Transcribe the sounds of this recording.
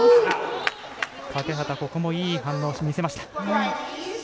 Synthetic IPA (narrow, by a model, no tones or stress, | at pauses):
pake̞ɦat̪ako̞komo̞iːɦãnːo̞ːɕimʲise̞maɕi̥t̪ḁhai